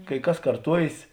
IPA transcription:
kɐɪ ˈkɐs kɐrˈtuɔjeːs

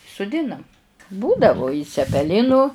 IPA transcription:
sʊˈdʲɪnɐm ˈbuːdɐʋʊ ɪ t͡sʲɛpʲɛˈlʲɪnʊ

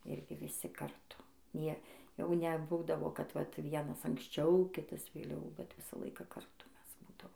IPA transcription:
ˈɪrʲɡʲɪ ʋʲɪˈsʲɪ kɐrˈtʊ ˈnʲiɛ ˈjɛʊ nʲɛˈbuːdɐʋoː kɐt ʋɐt ˈʋʲiɛnɐs ɐŋksʲˈt͡ʃʲɛʊ ˈkʲɪtɐs ʋʲeːˈlʲɛʊ bʲɛt ˈʋʲɪsɑː ˈlˠɐɪkɑː kɐrˈtʊ ˈmʲɛs ˈbuːdɐʋoːm

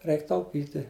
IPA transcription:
ˈrʲɛɪk tɐʊˈpʲiːtʲɪ

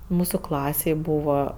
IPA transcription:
ˈmuːsʊ ˈklˠɑːsʲeːj ˈbuːʋɐ

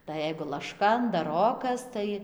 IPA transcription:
tɐɪ ˈjɛɪɡʊ lˠɐʃˈkɐ ɐndɐˈroːkɐs ˈtɐɪ

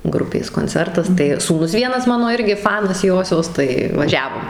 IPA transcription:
ˈɡrʊpʲeːs koːnʲˈt͡sʲɛrtɐs tɐɪ suːˈnʊs ˈʋʲiɛnɐs ˈmɑːnoː ˈɪrʲɡʲɪ ˈfɑːnɐs ˈjoːsʲoːs tɐɪ ʋɐˈʒʲæːʋoːm

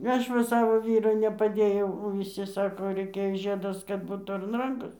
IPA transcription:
ˈɐʃ ʋɐ ˈsɑːʋoː ˈʋʲiːrʊ nʲɛpɐˈdʲeːjɛʊ oː ʋʲɪˈsʲɪ ˈsɑːkoː ˈrʲɛɪkʲɛ ˈʒʲiɛdɐs kɐt ˈbuːt ɐr ɐn ˈrɐŋkoːs

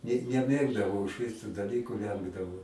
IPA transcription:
nʲɛ nʲɛˈmʲeːɡdɐʋɐʊ ɪʃʲˈʋʲɪs tuː dɐˈlʲiːkʊ ˈʋʲɛŋɡdɐʋɐʊ

